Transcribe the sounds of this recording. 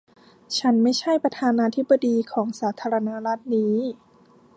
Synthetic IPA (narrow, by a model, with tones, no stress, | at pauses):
t͡ɕʰa˦˥nma˥˩jt͡ɕʰa˥˩jpɾa˧t̪ʰaː˧naː˧t̪ʰi˦˥bːa˧diː˧kʰɔː˩˦ŋsaː˩˦t̪ʰaː˧ɾa˧na˦˥ɾa˦˥t̪̚niː˦˥